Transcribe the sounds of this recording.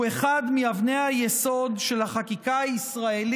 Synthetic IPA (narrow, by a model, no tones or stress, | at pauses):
eχad̪miavnejajeso̞dʃe̞lhaχakikaaisʁae̞l